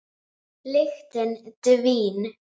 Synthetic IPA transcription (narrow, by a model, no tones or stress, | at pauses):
lɪxt̪ənd̪̥əviːn